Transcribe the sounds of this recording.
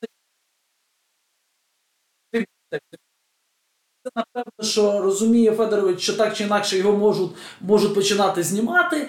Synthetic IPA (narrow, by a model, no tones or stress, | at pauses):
t̪ɪk̪ɛɪ | sɛnɐpɛwnɔʃt͡ʃɔrɔzʊmʲijɛfɛd̪eɾɔʋɪt͡ʃʃt͡ʃɔt̪ɑk̚t͡ʃɪinɑkʃɛjɔɦɔmɔʒʊt̪ʲmɔʒʊt̪̚ʲpɔt͡ʃɪnɑt̪ɪzʲnʲimɑt̪ɪ